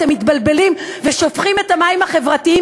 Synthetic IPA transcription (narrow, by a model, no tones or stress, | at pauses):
emitbalbe̞limveʃo̞fχime̞tamaimhaχe̞vʁatii